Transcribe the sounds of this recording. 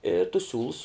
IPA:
ɪ tʊs ˈsʲuːlˠʊs

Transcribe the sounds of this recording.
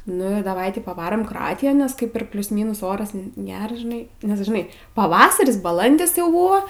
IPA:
nʊ ɪr dɐˈʋɐɪ ˈtʲɪ pɐˈʋɑːroːm kroːˈɑːtʲɪjoːn nʲɛs ˈkɐɪp ɪr ˈpʲlʲʊs ˈmʲiːnʊs ˈoːrɐs ˈɡʲæːrɐs ʒʲɪˈnɐɪ nʲɛs ʒʲɪˈnɐɪ pɐˈʋɑːsɐrʲɪs bɐˈlˠɐnʲdʲɪs jɛʊ ˈbʊʋoː

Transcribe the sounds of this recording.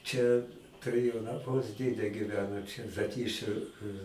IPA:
ˈt͡ʃʲɛ tʊˈrʲeːjɛʊ nɐˈmʊs ˈdʲeːdʲɛ ɡʲiːˈʋʲæːnoː t͡ʃʲɛ zɐˈtʲiːʃʲʊ

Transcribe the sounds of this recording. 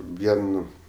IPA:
ˈʋʲiɛn

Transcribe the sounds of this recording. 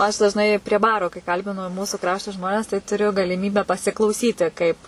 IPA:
ɐʃ dɐʒˈnɐɪ pʲrʲiɛ ˈbɑːroː kɐɪ ˈkɐlʲbʲɪnʊ ˈmuːsuː ˈkrɑːʃtoː ˈʒmoːnʲɛs tɐɪ tʊˈrʲʊ ɡɐlʲɪˈmʲiːbʲæː pɐsʲɪklˠɐʊˈsʲiːtʲɪ ˈkɐɪp

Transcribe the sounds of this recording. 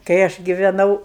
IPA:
kɐɪ ˈɐʃ ɡʲɪʋʲɛˈnɐʊ

